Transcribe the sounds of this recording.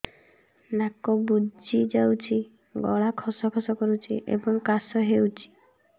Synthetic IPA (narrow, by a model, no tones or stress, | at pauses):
nakɔbud͡ʒid͡ʒawt͡ʃʰi | ɡɔ̰ɭakʰɔsɔkʰɔsɔkɔɾut͡ʃʰiʔḛbɔŋkasɔɦewt͡ʃʰi̥